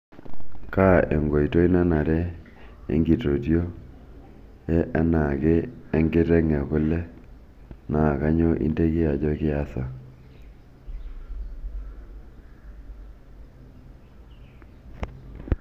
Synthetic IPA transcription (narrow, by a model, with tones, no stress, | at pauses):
ka˦˨e˨ŋɡo˨i˨to˦i˦na˦na˨ɾɛ˦ | ḛ˦ŋɡi˨to˨tjo˦ | jɛ˦ʔa˦na˨keː˦ŋɡɪ˦ɾɛ˦ŋɛ˨kʊ˦lɛ˦ | na˨ka˦ɲo˦ʔḭ˦nde˦kɪ˦a˨d͡ʒɔ˦kɪ˦a˦sa˨